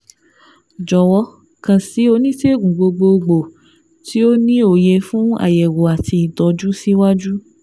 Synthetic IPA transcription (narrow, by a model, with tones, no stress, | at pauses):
d͡ʒɔ˨wɔ˧ | kã˨si˨˦o˧nĩ˦te˦˨ɡũ˨ɡ͡bo˧ɡ͡bo˧ɡ͡bo˨ | ti˦o˦nĩ˦o˨jɛ˧fũ˦a̰˦˨jɛ˨wo˨a˨ti˧˨dɔ˨˦d͡ʒu˦si˦wa˦d͡ʒu˦